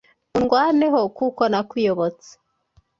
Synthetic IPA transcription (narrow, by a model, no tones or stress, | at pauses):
uŋɡwaːneɦo̞kukonakwijoβot͡se̥